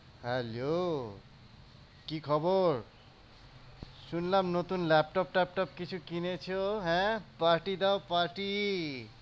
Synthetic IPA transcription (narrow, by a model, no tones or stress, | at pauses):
hɛlo | kikʰɔboɾ | ʃunlamnot̪unlɛp̚ʈɔp̚ʈap̚ʈɔp̚kit͡ɕʰukinet͡ɕʰoɦɛ̃paɾʈid̪aopaɾʈi